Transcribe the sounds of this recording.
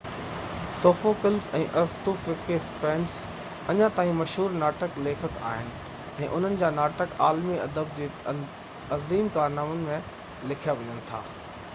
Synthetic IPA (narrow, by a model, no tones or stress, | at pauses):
soːfokɪlzɛ̰̃ːʔɐɾst̪ufɪkespɛːns | ɐɲãt̪aːɦĩmɐʃɦuːɾnaːʈəkleːkʰət̪a̰ːɦɪnɪ̆ | ɛ̃ːʔʊn̤ənɪ̆d͡ʑaːnaːʈəkaːlmiɐd̪əb̚d͡ʑeː | ɐziːmkaːɾnaːmʊnɪ̆mẽ | lɪkʰijaʋɐɲənɪ̆t̪ʰa̰ː